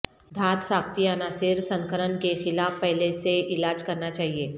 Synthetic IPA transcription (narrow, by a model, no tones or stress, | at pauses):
d̪ʱaːt̪saːkt̪iənaːsɪɾsɐ̃ŋkəɾənkexɪlaːfpɛɦleseɪlaːd͡ʒkɐɾnat͡ʃaːɦieː